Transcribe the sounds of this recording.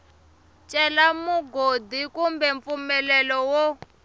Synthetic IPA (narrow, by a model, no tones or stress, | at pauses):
t͡ʃʼɛlamuɡodikumbɛɱp̪fumɛlɛlɔwo